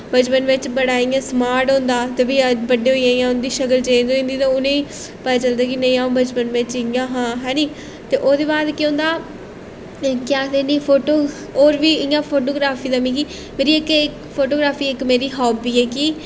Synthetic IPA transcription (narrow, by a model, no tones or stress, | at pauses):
bət͡ʃpənʋɪt͡ʃbəɽaːiːãːsmaːɾʈɦõːnd̪aːt̪eːbiːəbəɖeːɦoːiːãːijãːʊnd̪iːʃəkəlt͡ʃẽd̪oĩnd̪iːt̪ãːʊnẽːiː | pət̪aːt͡ʃəld̪aːkinəĩːãːbət͡ʃpənʋɪt͡ʃɪjãːɦãːɦɛ̃ːniː | t̪eːʔoːd̪eːbaːd̪kɪõːnd̪aː | kjãːseːnĩːpʰoːʈoː | oːɾʋiːɪjãːpʰoːʈoːɡɾaːfʰiːd̪aːmĩːkiː | meːɾiːɪkɪkpʰoːʈoːɡɾaːfiːɪkmeːɾiːɦɔːbiːɛːkiː